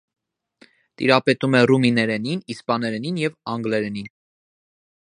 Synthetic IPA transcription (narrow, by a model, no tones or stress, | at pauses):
t̪ḭɾɑpɛt̪umɛruminɛɾɛninispɑnɛɾɛninjɛvɑŋɡlɛɾɛnin